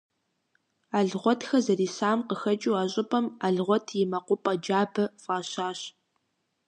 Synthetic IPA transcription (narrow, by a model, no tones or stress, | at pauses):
aːɮʁʷɔtxɐzɐriːsaːmqəxɐt͡ʃʼuwaːɕʼɪpʼɐmaɮʁʷɔtʰjɪmɐqʷʊpʼɐd͡ʒaːbɐfʼaːɕaːɕ